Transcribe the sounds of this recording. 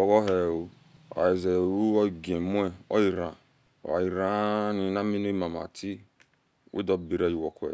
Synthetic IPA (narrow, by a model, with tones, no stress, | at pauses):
ɔ˨ɣɔ˦ɦe˨wo˦ | a̰˨i˨ze˨ɾu˦o˦˨ɡe˨mʷ˦e˦ɔ̰˦ji˨ɾã˨ | a̰˨ji˨ɾa˨˦ni˨na˦mi˦ne˦ma˨ma̰˨tʰi˦ | wḭ˦dɔ˦bi˨ɾa˦ji˨wɔ˨kʷḛ˨